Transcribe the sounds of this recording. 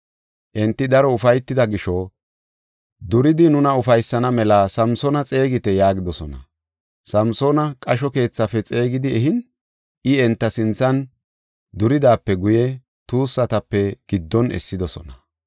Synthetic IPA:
ʔɪnt̪ːɪd̪ɐɾɔʊfɐjt̪ːɪd̪ɐɡɪʃɔ | d̪ʊɾɪd̪ɪnʊnɐʊfɐjsːɐnɐmɛlasɐmsɔnɐt͡sʼe̞ːɡɪt̪ɛjaːɡɪd̪ɔsɔnɐ̰ | sɐmsoːnɐkʼɐʃ̬ɔke̞ːt͡sːɐfɛt͡sʼe̞ːɡɪd̪ɪɛɦɪn | ɪɛnt̪ːɐsɪnt͡sːɐn | d̪ʊɾɪd̪aːpːɛɡʊjɛ | t̪uːsːɐt̪ɐpːɛɡ̥ɪd̪ːɔnɛ̰sːɪd̪ɔsɔ̰nɐ

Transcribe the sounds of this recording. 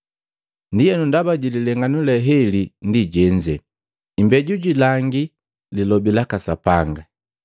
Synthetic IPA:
ndijɛnundabaɟililɛŋɡanulɛɦɛlindiɟɛɲd͡ʒɛ | imbɛɟuɟilaŋɡi | lilɔbilakasapaŋɡa

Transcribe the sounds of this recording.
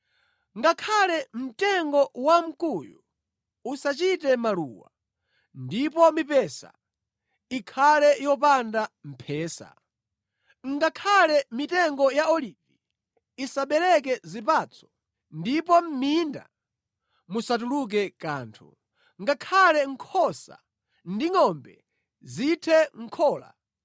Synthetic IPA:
ŋɡakʰalɛm̩tɛŋɡɔwam̩kuju | usat͡ʃitɛmalṵːwa̰ | ndipɔmipɛsa̰ | ikʰalɛjɔp̬andam̩pʰɛːsa̰ | ŋɡakʰalɛmitɛŋɡɔjaɔliːvi | isaɓɛlɛk̬ɛzipat͡sʰɔ̥ | ndipɔm̩minda̰ | musat̬uluk̬ɛka̰ːntʰṵ | ŋɡakʰalɛŋ̩kʰɔsa̰ | ndiŋɔmbɛ | zitʰɛŋ̩kʰɔːla̰

